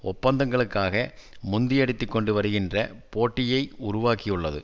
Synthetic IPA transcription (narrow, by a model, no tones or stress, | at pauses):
ɔpːɐnd̪ɐŋɡɐɭɯkːaːɣɐmʊnd̪ɪjɐɽɪt̪ːɯkːɔɳɖɯʋɐɾɯɣɪndrɐpoːʈːɪjɐɪʊɾʊʋaːkɪjɯɭːɐðɯ̰